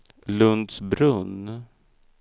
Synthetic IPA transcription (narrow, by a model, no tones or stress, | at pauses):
lɵnd̪sbɾɵn